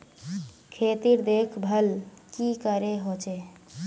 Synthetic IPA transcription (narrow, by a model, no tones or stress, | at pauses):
kʰet̪iɾd̪ekʰbʱəlkikəɾeɦot͡ʃe